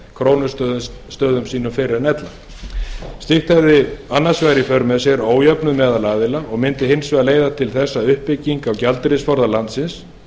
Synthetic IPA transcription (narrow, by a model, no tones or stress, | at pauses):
kʰɾoːwnʏst̪œ | st̪œːðʏmsiːnʏmfɪɾɪɾnɛt̪la | st̪ɪxt̪aðɪanːasvajɾifœɾmɛsɛɾoːwjœpnʏmɛːðalaːðɪlaɔɣmɪnt̪ɪɦɪnsvɛaleːjðat̪ʰɪlθɛsːaʏhpːɪcːiŋkawcalt̪ɾɪsfɔɾðalant̪sɪns